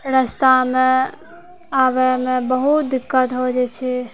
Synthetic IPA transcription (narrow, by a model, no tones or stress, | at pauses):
ɾəst̪ame | aβɛmebəɦut̪̚d̪ikːət̪ɦod͡ʒɛt͡ʃʰɛ